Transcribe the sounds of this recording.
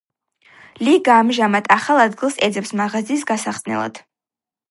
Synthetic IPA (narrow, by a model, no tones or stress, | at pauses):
liɡaːmʒamat̪ʰʼaχalˠad̪̚ɡilˠsɛd̪zɛpsmaʁaziːsɡasaχnɛ̰lˠa̰d̪̥